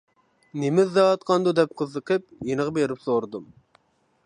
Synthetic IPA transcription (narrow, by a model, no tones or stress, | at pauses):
nemɪzːɑɑt̪̚qʰɑnd̪ud̪ɛp̚qʰəzəqʰəp̚jenəʁɑbeɾɪpsoɾɨd̪um